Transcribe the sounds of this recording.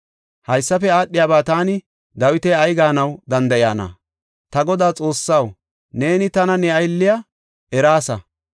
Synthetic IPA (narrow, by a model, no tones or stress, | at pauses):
hɐjsːɐfɛaːɗːɪjaːbaːt̪aːnɪ | d̪ɐwɪt̪ɛjɐjɡaːnɐwd̪ɐnd̪ɐjaːnɐ̰ | t̪ɐɡɔd̪aːt͡sʼo̞ːsːɐw | ne̞ːnɪt̪ɐnɐnɛɐjlːɪjɐ | ɛɾaːsɐ